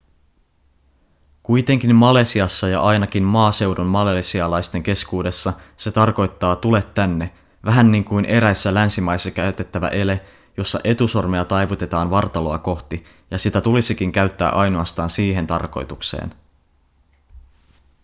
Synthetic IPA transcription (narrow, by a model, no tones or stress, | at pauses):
kujt̪e̞ŋkimmɑle̞siɑsːɑjɑ̰ʔɑjnɑkimmɑːse̞wdommɑlesiɑlɑjst̪e̞ŋke̞skuːde̞sːɑse̞t̪ɑrko̞jt̪ːɑːt̪ule̞t̪ːænːe̞ | ʋæɦænːiŋkujnʔe̞ɾæjsːælænsimɑjsːɑkæyt̪e̞t̪ːæʋæ̰ʔe̞le | jo̞sːɑ̰ʔe̞t̪uso̞rmeɑt̪ɑjʋut̪e̞t̪ɑːnʋɑrt̪ɑlo̞ɑko̞xt̪i | jɑsit̪æt̪ulisik̟iŋkæɥt̪ːæ̰ːʔɑjno̞ɑst̪ɑːnsiːɦe̞nt̪ɑ̰rko̞̰jt̪uksḛːn